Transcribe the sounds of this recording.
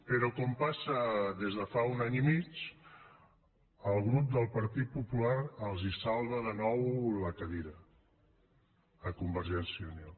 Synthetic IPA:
pəɾɔkɔmpasəðezðəfaunaɲimit͡ʃ | əlˠɣɾup̚d̪əlˠpəɾt̪it̪̚pupulaɾəlˠzisalˠβəðənɔwləkəðiɾə | əkumbəɾʒɛnsiunal

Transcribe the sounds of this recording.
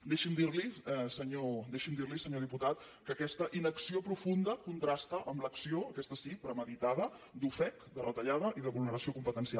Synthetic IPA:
d̪eʃimd̪iɾliɛsəɲod̪eʃimd̪iɾlisəɲoð̞iput̪at̪ | kəkɛst̪əʔinəksiopɾufund̪əkunt̪ɾast̪əʔəmləksioəkɛst̪əsipɾəməðit̪aðə | d̪ufɛkd̪ərət̪əʎað̞əʔiðəβulˠnəɾəsiokumpət̪ənsialˠ

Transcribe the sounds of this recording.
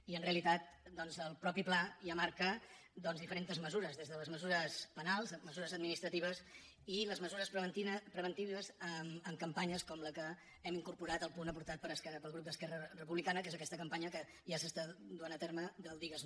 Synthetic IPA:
iənreəlit̪at̪̚d̪ɔnzəlˠpɾɔpiplajamaɾkə | d̪ɔnzðifəɾent̪əzməzuɾəzðezðələzməzuɾəspənalˠzməzuɾəzəd̪̚minist̪ɾət̪iβ̞əs | iləzməzuɾəspɾβət̪ipɾəβənt̪iβəzəməŋkəmpaɲəskɔmləkə | ɛmiŋkuɾpuɾat̪əlˠpunəpuɾt̪at̪̚pəɾəskɛpəlˠɣɾup̚d̪əskɛrərəpuβlikanəkezəkɛst̪əkəmpaɲəkə | ʒasəst̪ad̪uanət̪erməd̪əlˠd̪iɣəzn

